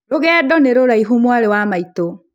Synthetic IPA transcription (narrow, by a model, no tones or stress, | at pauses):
ɾoɣɛːdɔneɾoɾaiɦumwaɾewamaito